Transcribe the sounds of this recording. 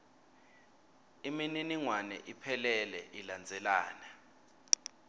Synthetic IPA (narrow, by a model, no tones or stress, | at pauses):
imininiŋwanɛ̰ʔipʰɛlɛlɛ̰ʔiland͡zʱɛlaːna